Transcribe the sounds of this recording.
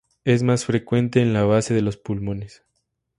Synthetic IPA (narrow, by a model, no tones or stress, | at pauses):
e̞zmasfɾe̞kwe̞nt̪e̞ːnlaβ̞ase̞ð̞e̞lo̞spulmo̞ne̞s